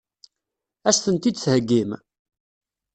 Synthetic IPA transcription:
æʃθənt̪id̪shəɡːim

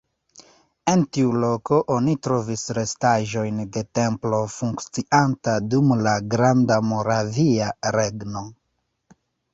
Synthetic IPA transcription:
e̞ntiulo̞ko̞ʔonitɾo̞visɾe̞staʒo̞jnde̞te̞mplo̞fuŋkt͡siʔantadumlaɡɾandamo̞ɾaviaɾeɡno̞

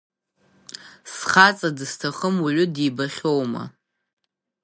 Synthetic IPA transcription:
sχat͡sʼadɨstʰaχəmuʕʷʊdibaχʲo̞wma̰

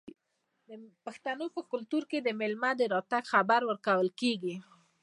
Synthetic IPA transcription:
d̪əpaxt̪anopəkʊlt̪uɾked̪əmɪlmad̪əɾɑt̪aɡxabaɾwəɾkawəlkeɡi

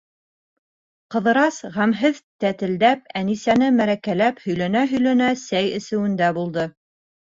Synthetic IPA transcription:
qɤ̆ðɤ̆ɾɑsʁæmɦɘðt̪æt̪ɘ̆ld̪æp̚ænisænɘmæɾækælæphɵ̆jlænæɦɵ̆jlænæsæjɘ̆sɘ̆wɘ̆nd̪æbulˠd̪ɤ

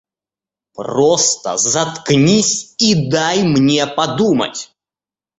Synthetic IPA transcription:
prost̪ə̰zɐt̪knʲisʲid̪ajmnʲepɐd̪umə̰tʲ

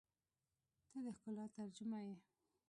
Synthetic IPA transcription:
t̪əd̪əhkʊlɑt̪aɾd͡ʒʊmaje

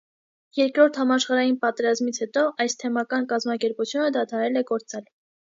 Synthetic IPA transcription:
jɛɾkɾɔɾt̪ʰhɑmɑʃχɑɾɑjinpɑt̪ɛɾɑzmit͡sʰhɛt̪ɔʔɑjst̪ʰɛmɑkɑnkɑzmɑkɛɾput͡sʰjunəd̪ɑt̪ʰɑɾɛlɛɡɔɾt͡sɑl

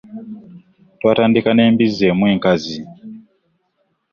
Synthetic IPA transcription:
twatandikanembizemweŋkazi

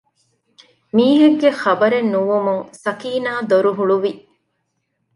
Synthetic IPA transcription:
miːɦeɡːeχɐbɐɾenːuʋumuŋsɐkiːnaːd̪oɾuɦuɭuʋi

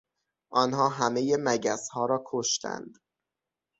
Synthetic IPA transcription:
ʔɒːnɦɒːɦæmejemæɟæshɒːɾɒːkʰoʃt̪ʰæ̰nd̪

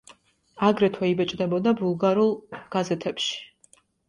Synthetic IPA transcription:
aɡɾɛt̪ʰwɛibɛt͡ʃʼd̪ɛbɔd̪abulˠɡaɾulˠɡ̥azɛt̪ʰɛpʃi̥

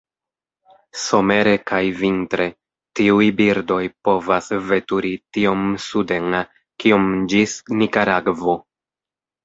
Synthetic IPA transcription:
so̞me̞ɾe̞kajvintɾe̞ | tiujbiɾdo̞jpo̞vasve̞tuɾitio̞msude̞ŋ | kio̞md͡ʒisnikaɾaɡvo̞

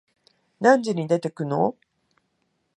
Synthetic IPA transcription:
nãɲd͡ʑiɲ̟id̪e̞t̪e̞kɯ̟no̰

